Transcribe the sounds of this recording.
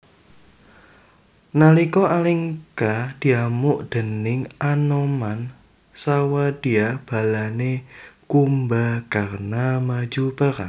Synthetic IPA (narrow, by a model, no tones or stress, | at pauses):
nalikɔʔaliŋkad̪̥iamʊʔd̪̥ə̤nɪŋanoman | sawad̪̥i̤ab̥a̤lanekumbakarnamḁd͡ʒupaɾa̰